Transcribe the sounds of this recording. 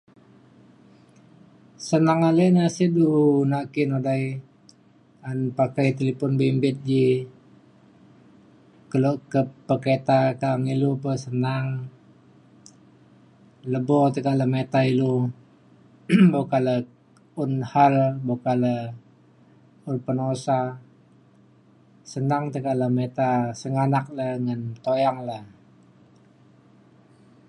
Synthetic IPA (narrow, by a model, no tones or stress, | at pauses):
sənaŋalənasidunaʔkinodaj | anpakajt̪əlipɔnbimbɪt̪̚d͡ʒi | kəloʔkəpəkɾet̪akaŋilupəsənaŋ | ləbɔt̪əkaʔləmet̪ailu | bokalə | unhalbokalə | unpənosa | sənaŋt̪əkaʔləmet̪asəŋanak̚laŋənt̪ojaŋlah